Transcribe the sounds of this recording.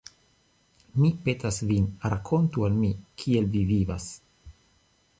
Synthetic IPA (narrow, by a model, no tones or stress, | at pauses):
mipetasvinɾakʰo̞ntualmikʰielviviva̰s